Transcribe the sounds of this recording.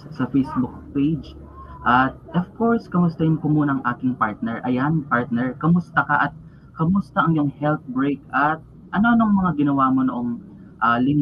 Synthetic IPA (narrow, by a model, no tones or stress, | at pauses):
sɐfejsbʊk̚pejd͡ʒ | ʔɐt̪̚ʔovkoɹskɐmʊst̪ɐɾɪnkʊmuːnɐŋʔaːkɪŋpaɹt̪̚nɛɹʔɐjanpaɹt̪̚nɛɹkɐmʊst̪ɐkɐʔɐt̪̚ | kɐmʊst̪ɐʔɐŋjʊŋhɛlt̪̚bɹejkʔɐt̪̚ | ʔɐnoʔɐnoŋmɐŋaɡɪnɐwaːmonoʔoŋ | ʔɐlɪŋ